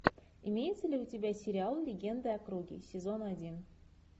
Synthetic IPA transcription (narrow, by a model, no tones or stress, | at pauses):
imʲejɪt̪sɘ̆lʲeutʲibʲæsʲɪɾʲɪalˠlʲɪɡʲe̞nd̪əɐkruɡʲḭsʲɪzonɑdʲin